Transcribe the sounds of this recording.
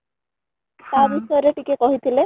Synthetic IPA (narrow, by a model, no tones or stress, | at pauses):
t̪abisɔjɔɾeʈikekɔɦit̪ʰile